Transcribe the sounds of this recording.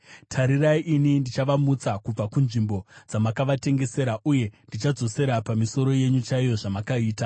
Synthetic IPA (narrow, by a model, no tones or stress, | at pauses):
tʰaɾiraiʔinindit͡ʃaʋamut͡sakub͡vakunʐimbo̞d͡zamakaʋate̞ŋɡe̞se̞ɾaʔuje̞ndit͡ʃad͡zo̞se̞ɾapamiso̞ɾo̞je̞ɲut͡ʃaijo̞ʐamakaiːta